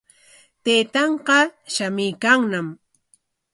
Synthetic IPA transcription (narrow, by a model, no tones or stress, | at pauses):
t̪ejt̪ɑɴqɑʃamɪjkaŋnam